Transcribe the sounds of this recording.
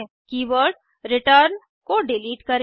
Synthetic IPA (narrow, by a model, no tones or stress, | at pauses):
kiːʋəɾɖ | ɾɪʈəɾn | koɖɪliːʈkɐɾ